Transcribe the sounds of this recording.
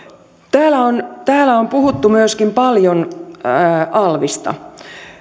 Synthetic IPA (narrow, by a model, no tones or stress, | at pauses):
t̪æːlæont̪æːlæompuhut̪ːumyøskimpɑljonː | ɑlʋist̪ɑ̰